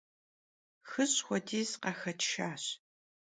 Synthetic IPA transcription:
xɨɕʼxʷɔdʰiːzqɐxɐtʰʃaːɕ

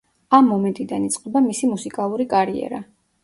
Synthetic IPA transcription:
amːɔmɛnt̪ʼid̪anit̪sʼqʼɛbamisimusikʼalˠuɾikʼaɾiɛ̰ɾa

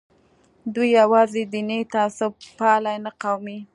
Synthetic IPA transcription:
d̪ujːawɑzed̪inet̪aasʊbpɑlajnaqawmi

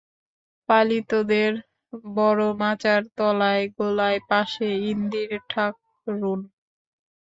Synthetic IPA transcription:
palit̪od̪eɾ | bɔɾomat͡ɕaɾt̪ɔlaeɡolaepaʃeind̪iɾʈʰak̚ | ɾun

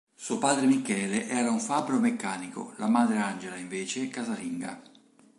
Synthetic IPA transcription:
suopaːd̪ɾemikɛːleʔɛːɾauɱfabɾomekːaːniko̰lamaːd̪ɾeand͡ʒelaiɱveːt͡ʃekazaliŋɡa̰

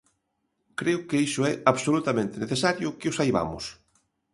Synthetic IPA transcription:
kɾeʊkeiʃʊɛaβsolut̪amẽnt̪eneθesaɾjʊkɪʊsajβa̰mʊ̰s

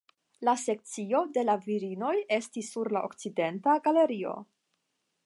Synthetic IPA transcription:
lase̞k̚t͡sio̞de̞laviɾino̞je̞stisːuɾlaʔo̰kt͡side̞ntaɡale̞ɾio̞̰

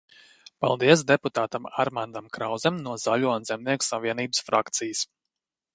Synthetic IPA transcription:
pa̰lˠd̪iɛs̬d̪eput̪aːt̪ama̰ɾmand̪amkɾawzɛmnuɔzalʲuɔnzɛmniɛku̥saviɛniːbəsfɾa̰kt̪sijəs

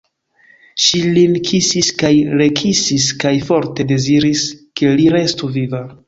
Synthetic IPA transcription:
ʃilinkʰisiskajɾe̞kʰisiskajfo̞ɾte̞de̞ziɾiske̞liɾe̞stuviva

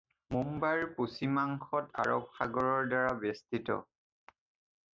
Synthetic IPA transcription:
mumbaɹposimaŋxɔta̰ɹɔp̚xaɡɔɹɔɹdaɹabɛstitɔ̰

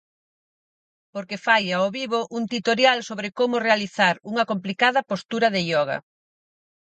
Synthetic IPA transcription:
poɾkefajaoβiβoʔunt̪it̪oɾjalsoβɾekomʊrealiθaɾuŋɐkomplikaðɐpost̪uɾɐðeʎɔɣɐ̰

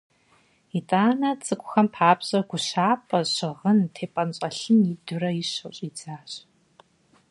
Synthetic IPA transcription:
itʼaːnɐt͡sʼɨkʷʼʊxɐmpʰaːbɕʼɐɡʷʊɕaːpʼɐɕɨʁəntʰeːpʼɐnɕʼɐɬɨmidʊrɐjiɕɐwɕʼid͡zaːɕʼ

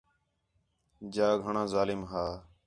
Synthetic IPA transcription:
d͡ʒaːɡʱəɳãːzaːlɪmɦaː

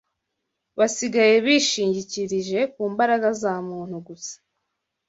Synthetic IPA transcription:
βasiɡaje̞βiʃiːɲɟiciɾiʒe̞kuːmbaɾaɡazamuːn̥huɡusḁ

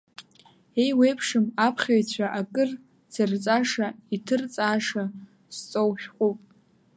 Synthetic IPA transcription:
ejwe̞jpʰʂɨmapʰχʲajt͡ɕʷʰaʔakʼɨr | t͡sʰɨrt͡sʼaʂaitʰɨrt͡sʼaːʂa | st͡sʼowʃᶣqʷʼupʼ

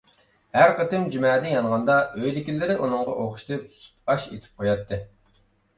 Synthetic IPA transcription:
hæɾqət̪ɪmd͡ʒymɛːd̪ɪnjɑnʁɑnd̪ɑøjd̪ɪkʲilːɪɾɪʔunɨŋʁɑ̰ʔoχʊ̥ʃt̪ɨp̚su̥t̪̚ɑʃḛt̪ʰɪ̥p̚qʰojɑt̪ʰːɨ

